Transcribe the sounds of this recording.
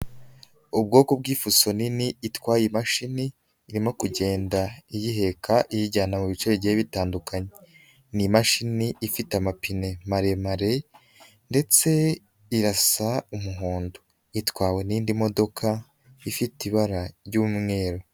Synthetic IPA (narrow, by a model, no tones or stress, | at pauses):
ub̚ɡo̞ːkobɡiːfuso̞niniitwaːjimaʃiniː | ɾimo̞kuɟe̞ːndaijiɦe̞kʰaʔijiɟaːnamuβit͡ʃeβiɟeβitaːndukʰaɲee | nimaʃiniʔifitamapine̞maɾe̞maɾe | nde̞t͡se̞ | iɾasaumuɦuːndu̥ | itwaːwe̞niːndimo̞do̞kʰa | ifitiβaɾaɾɟuːmŋe̞ːɾo